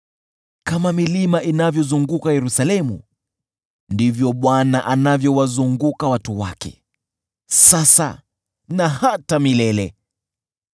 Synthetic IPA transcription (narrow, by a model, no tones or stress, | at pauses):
kamamilimaʔinavjɔzuŋɡukajɛɾusalɛmṵ | ndivjɔɓwanaʔanavjɔwazuŋɡukawatuwakɛ̰ | sasa̰ | nahatamilɛlɛ